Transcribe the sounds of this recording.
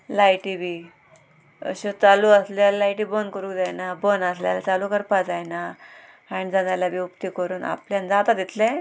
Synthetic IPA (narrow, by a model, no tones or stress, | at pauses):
lajʈibi | ə̰ɕot͡saluəslallajʈiːbonkəɾuːkd͡zajnabonasljalt͡salukəɾpad͡zajna | aɽid͡zanalabiupt̪ikəɾuːna̰pljand͡zat̪ad̪it̪lẽ